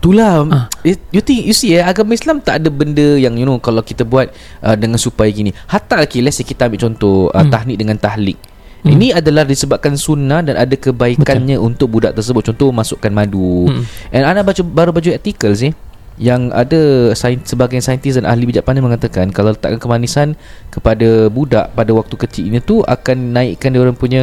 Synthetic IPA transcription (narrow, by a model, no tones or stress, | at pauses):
t̪ula | jut̪ɪŋjusiəaɡamislamt̪aʔadəbəndəjaŋjunũkalawkit̪abuat̪̚ | ʔədəŋãnsupajakinĩhat̪aʔlakilɛsikit̪aambɪʔt͡ʃɔnt̪ɔhə̰t̪aɦnɪk̚dəŋãnt̪ahlɪk̚ | ḭnĩadalahdisəbap̚kansunahdanʔadakəbaikkanɲãʔunt̪ʊk̚budaʔt̪ərs̬əbʊt̪̚t͡ʃɔnt̪ɔmasʊʔkanmãduʔɛnanabad͡ʒubaɾubad͡ʒuɛrt̪ikəls̬ɪh | jaŋa̰dasajnsəbaɡajnsajənt̪is̬danʔa̰ɦlibid͡ʒaʔpanaməŋat̪akankalalət̪a̰ʔkankəmanisan | kəpadabudaʔpadawak̚t̪ukət͡ʃilɲãt̪uʔa̰kanːãɪʔkandioɾaŋpuɲa